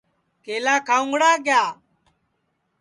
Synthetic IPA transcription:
keːlaːkʰaːʊ̃ŋɡɽaːɡjaː

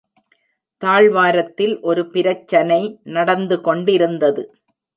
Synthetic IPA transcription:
t̪aːɭʋaːɾɐt̪ːɪlʔɔɾɯpɪɾɐt͡ʃːɐnɐɪnɐɽɐnd̪ɯkɔɳɖɪɾɯnd̪ɐðɯ

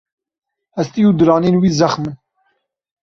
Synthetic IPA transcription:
hɛst̪iuːd̪ɨɾɑːneːnwiːzɛxmɨn

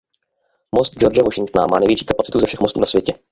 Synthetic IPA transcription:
most̪̚d͡ʒo̞ɾd͡ʒɛvoʃɪŋk̚t̪na̰ma̰ːnɛjvjɛt͡ʃiːkapat͡sɪt̪uzɛfʃɛxmo̞st̪ṵːnasvjɛcɛ

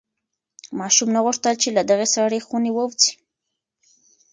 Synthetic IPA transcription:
mɑʃumnaɣʊʂt̪əlt͡ʃelad̪aɣesaɽexunewəwt͡si̥

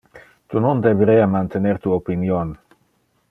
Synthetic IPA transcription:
t̪unond̪eveɾeamant̪eneɾt̪uaopinion

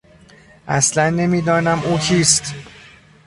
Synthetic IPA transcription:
ʔæ̰slænːe̞miːd̪ɒːnæmʔuːcʰiːst̪

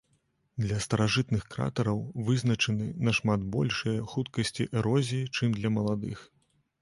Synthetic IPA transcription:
d̪lʲɐst̪ɐɾaʐɨt̪nɨxkɾa̰t̪ɐɾɐwvɨznɐt͡ʂɨnɨnɐʂmad̪bɔ̰lʲʂɨjɐxut̪kɐsʲt͡sʲiʔɛɾɔzʲijit͡ʂɨmd̪lʲɐmɐlˠad̪ɨx

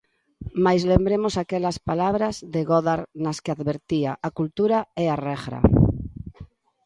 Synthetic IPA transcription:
majzlembɾemosakelaspalaβ̞ɾazðeɣoðaɾnaskeaðβeɾt̪iaʔakult̪uɾaearɛɣɾa̰

